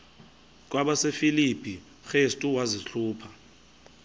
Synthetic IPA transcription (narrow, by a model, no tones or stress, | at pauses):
k̬ʼwaɓasefilipʰʼi | xestʼuwaziɬuːpʰa